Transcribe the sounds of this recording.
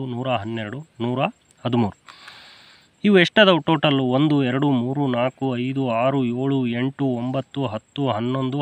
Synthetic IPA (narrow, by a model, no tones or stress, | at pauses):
unuːɾɐɦɐnːɛɾɐɽunuːɾɐ | hɐd̪umuːɾu | iʋueʂʈɐd̪ɐʈoːʈɐluond̪uɛɾɐɽumuːɾunaːkuɐjd̪uaːɾueːɭue̞ɳʈuombɐt̪ːuɦɐt̪ːuɦɐnːo̞nd̪u